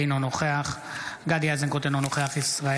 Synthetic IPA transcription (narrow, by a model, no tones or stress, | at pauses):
inonoχeaχ | ɡad̪iazenkot̪enonoχeaχisʁae